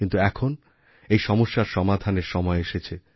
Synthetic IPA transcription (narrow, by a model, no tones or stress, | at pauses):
int̪uɛkʰon | ejʃɔmoʃːaɾʃɔmad̪ʱaneɾʃɔmɔeeʃet͡ɕʰe